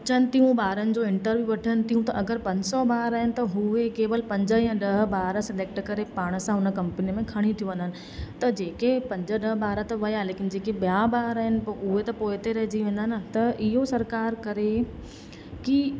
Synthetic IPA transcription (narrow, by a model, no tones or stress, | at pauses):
ɐt͡ɕənɪ̆t̪iɦũbaːɾənɪ̆d͡ʑoːɪ̃ɳʈəɾbɪʋɐʈʰənɪ̆t̪ʰiɦũt̪ɐʔɐɡəɾpɐ̃ɲd͡ʑsɔbaːɾaːɦɪnɪ̆t̪ɐɦʊekeːʋəlpɐ̃ɲd͡ʑəjãɗɐɦəbaːɾəsɪleːk̚ʈkɐɾepaːɽ̃̆sãɦʊnəkɐ̃mpəniəmẽkʰɐɽ̃ĩt̪ʰijũʋɐ̃nd̪ənɪ̆ | t̪ɐd͡ʑeːkepɐ̃ɲd͡ʑəɗəɦbaːɾət̪ɐʋɐjaleːkɪnd͡ʑeːkebjabaːɾaːɦɪnɪ̆ʊɦet̪ɐpoːɪt̪eɾɐɦd͡ʑiʋẽːn̆d̪aɦnət̪ɐʔɪɦosɐɾkaːɾkɐɾe | ki